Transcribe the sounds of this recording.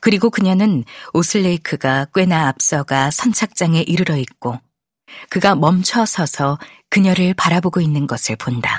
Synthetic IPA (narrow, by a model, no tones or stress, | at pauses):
kɯɾiɡokɯɲʌnɯnosʰɯɭːeikʰɯɡak͈we̞naːp̚s͈ʌɡasʰʌnt͡ɕʰak̚t͡ɕ͈aŋe̞ʔiɾɯɾʌit̚k͈o | kɯɡamʌmt͡ɕʰʌsʰʌsʰʌ | kɯɲʌɾɯɭpaɾaboɡoinːɯnɡʌsʰɯɭponda